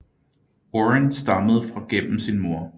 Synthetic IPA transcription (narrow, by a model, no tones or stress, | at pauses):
oʁensd̥ɑ̈məð̞̩ˠfʁɑ̈ɡ̥en̰m̩sinmo̝ɐ̰